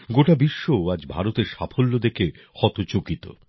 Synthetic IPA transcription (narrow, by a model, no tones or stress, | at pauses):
ɡoʈabiʃːooad͡ʑbʱa̰ɾot̪eɾʃafʰolːod̪eke | xɔt̪ot͡ɕokit̪o̰